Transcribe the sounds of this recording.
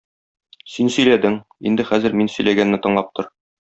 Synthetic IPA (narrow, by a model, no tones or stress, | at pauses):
sinsɵ̆jlæd̪ɘŋḭnd̪ɘχæzɘ̆ɾminsɵ̆jlæɡænːɘt̪ɤ̆ɴlˠɑp̚t̪ʰɤɾ